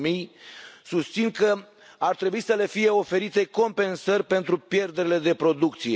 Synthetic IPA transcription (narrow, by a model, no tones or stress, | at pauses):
mijsust̪sinkə | art̪ɾe̞buisəle̞fije̞o̞fe̞ɾit̪e̞ko̞mpe̞nsərʲpe̞nt̪ɾupje̞rd̪eɾele̞d̪e̞pɾo̞d̪ukt̪sije